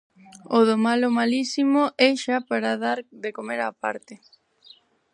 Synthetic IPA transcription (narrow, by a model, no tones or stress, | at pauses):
oðomalomalisimoʔɛʃapaɾaðaɾðekomeɾapa̰ɾt̪e